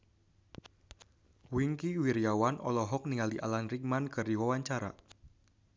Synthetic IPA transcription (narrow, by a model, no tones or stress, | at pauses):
wiŋkiwiɾijawanʔɔ̰lɔɦɔk̚niŋaliʔa̰lanrik̚mankɨrdiwawaɲt͡ʃaɾa̰